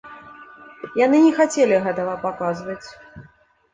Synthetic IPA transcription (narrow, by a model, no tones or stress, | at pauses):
janɨnʲɛxat͡sʲelʲiɣɛt̪ɐɣɐpakazvɐt͡sʲ